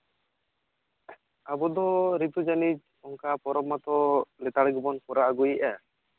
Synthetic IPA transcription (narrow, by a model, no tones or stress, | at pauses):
abɔd̪ɔɾit̪ud͡ʒanit͡ʃ | ɔŋkapɔɾɔmat̪ɔlɛt̪aɽɛɡbɔnpɔɾaʔaɡujiʔa